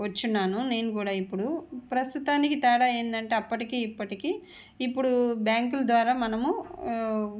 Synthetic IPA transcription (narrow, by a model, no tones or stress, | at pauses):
ʋɐt͡ʃːunːaːnune̞ːnukuːɽaːipːuɽupɾɐst̪ut̪aːnikit̪ɛːɽaːe̞ːnd̪ɐɳʈeːɐpːɐʈikiːipːɐʈikiː | ipːuɽubjaːŋkulɐd̪ʋaːɾaːmɐnɐmu